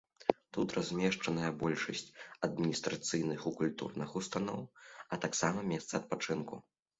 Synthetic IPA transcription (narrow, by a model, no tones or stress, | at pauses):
t̪ut̪razʲmʲɛʂt͡ʂɐnɐjɐbɔlʲʂɐsʲt͡sʲɐd̪̚mʲinʲist̪ɾat̪sɨjnɨxukulʲt̪ṵrnɨxust̪anɔ̰wɐt̪aksamɐmʲɛst̪sɐɐt̪̚pat͡ʂɨnku